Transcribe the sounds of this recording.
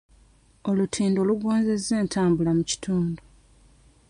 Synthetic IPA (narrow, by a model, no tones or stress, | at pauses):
o̞lutʰiːndo̞ːluɡoːnze̞zːe̞ːntʰaːmbulamuci̥tʰuːndu